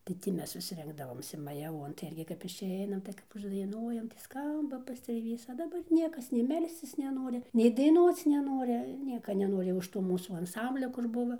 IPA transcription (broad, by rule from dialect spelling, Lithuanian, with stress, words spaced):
tɐɪ ˈtʲiː ˈmʲɛs ʋʲɪs ˈrʲɪŋɡdɐʋoːmʲsʲɪ mɐjɛˈʋuɔn tɐɪ ˈɪrʲɡʲɪ kɐp ɪʃʲˈɛɪnɐm tɐɪ kɐp ʊʒdɐɪˈnuɔjɛm tɐɪ ˈskɐmbɐ pɐsʲtʲrʲeːˈʋʲiːs ɐ dɐˈbɐr ˈnʲiɛkɐs nʲɛɪ ˈmʲɛlʲsʲt͡sʲɪs nʲɛˈnoːrʲɪ nʲɛɪ dɐɪˈnuɔt͡s nʲɛˈnoːrʲɪ ˈnʲiɛkɐ nʲɛˈnoːrʲɪ ʊʃ ˈtoː ˈmuːsuː ɐnˈsɐmʲbʲlʲoː kʊr ˈbʊʋɐ